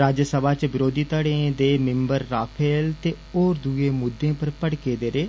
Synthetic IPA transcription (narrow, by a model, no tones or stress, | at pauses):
ɾaːd͡ʒsəbaːt͡ʃbɪɾoːd̪iːt̪əɽẽːd̪eːmɪ̃mbəɾːaːpʰeːlt̪eː | oːɾd̪ueːmʊd̪ːẽːpəɾpəɽkeːd̪eːɾeː